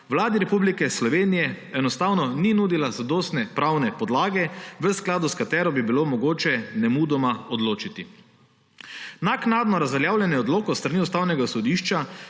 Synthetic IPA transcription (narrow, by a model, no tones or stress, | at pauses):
wlaːd̪iɾɛpublikɛslɔʋeːnijɛ | ɛnɔst̪awnɔninuːd̪ilazad̪oːst̪nɛpɾawnɛpɔd̪laːɡɛʋəsklaːd̪uskat̪ɛːɾɔbibilomɔɡoːt͡ʃɛnɛmuːd̪ɔmaɔd̪loːt͡ʃit̪i | naknaːd̪nɔɾazʋɛljaːwlʲjɛnjɛɔd̪loːkɔst̪ɾaniust̪aːwnɛɡasɔd̪iːʃt͡ʃa